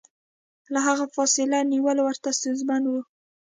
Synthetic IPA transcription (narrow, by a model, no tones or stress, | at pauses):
laɦaɣafɑsɪlaniwəlowəɾt̪asuzmanwu